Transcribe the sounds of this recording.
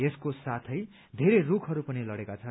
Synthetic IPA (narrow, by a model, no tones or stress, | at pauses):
eskosat̪ʰʌj | d̪ʱeɾerukʰɦʌɾupʌnilʌɽekat͡sʰʌ